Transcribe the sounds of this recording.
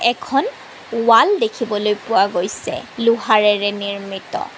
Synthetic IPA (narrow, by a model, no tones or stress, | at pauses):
ɛkʰɔn | waldekʰibɔlojpʊwaɡojsɛ̰luɦaɹɛɹɛniɹmitɔ̰